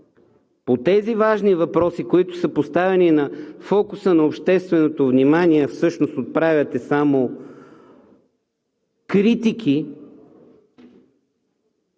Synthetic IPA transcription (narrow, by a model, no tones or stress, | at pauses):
pot̪ɛzivaʒnivɐpɾɔsikoit̪ʊ̥səpost̪avɛninɐfɔkusənɐopʃt̪ɛst̪vɛnot̪ovnimaniɛfsɤʃnost̪ot̪̚pɾavʲɐt̪ɛsamo | kɾit̪ik̟ʰi